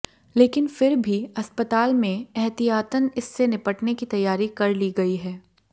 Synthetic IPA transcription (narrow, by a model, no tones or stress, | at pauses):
leːkɪnfɪɾbʱiɐspət̪aːlmẽɛɦt̪ijaːt̪ənɪsːenɪpəʈnekit̪ɐjːaːɾikɐɾliɡɐiɦɛː